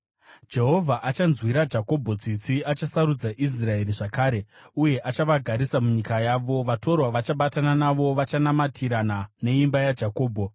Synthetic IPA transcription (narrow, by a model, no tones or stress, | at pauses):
d͡ʒe̞ɦo̞vʱaʔat͡ʃanzwiɾad͡ʒako̞bʱo̞d͡zit͡siat͡ʃasaɾud͡zaʔis̬rae̞ɾiʐakaːɾe̞uje̞ʔat͡ʃaʋaɡʱaɾisamuɲikajaːʋo̞ʋato̞rwaʋat͡ʃaɓatananaʋo̞ʋat͡ʃanamatʰiɾanane̞imbajad͡ʒako̞ːbʱo